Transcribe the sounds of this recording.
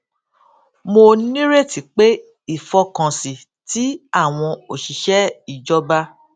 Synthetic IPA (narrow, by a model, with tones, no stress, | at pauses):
mo˧nĩ˦ɾe˦˨ti˨k͡pe˦ | i˦˨fɔ˧kã˨si˨ | ti˨˦a˦˨w̃ɔ̃˧o˨ʃi˨ʃɛ˦i˦˨d͡ʒɔ˦ba˦